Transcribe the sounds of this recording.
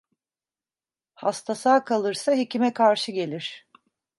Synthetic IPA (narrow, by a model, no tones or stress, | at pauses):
hast̪ʰasaːkʰalˠɯɾsaɦecimɛkʰaɾʃɯɟe̞lʲiɾ̥